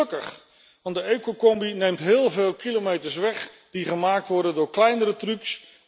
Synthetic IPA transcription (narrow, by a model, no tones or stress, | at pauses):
kəχ | ʋɑndəejkokɔmbinejmtɦɪːlˠveːlˠkilomejtəɹsʋɛχ | d̥iχəmaːk̚tʋɔɹdəndʊːɹklɛjnəɾətryks